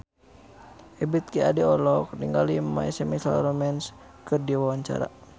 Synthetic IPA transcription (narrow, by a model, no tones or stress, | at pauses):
ɛbit̪̚kiadiɔlɔk̚niŋɡalima̰ɛsɛmisa̰lɾɔmɛns | kɨrdiwawaɲt͡ʃa̰ɾa̰